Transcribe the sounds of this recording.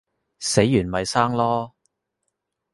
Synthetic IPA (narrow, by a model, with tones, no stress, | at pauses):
se˨˥jːyː˨˩nmɐ˨jsaː˥ŋlɔː˥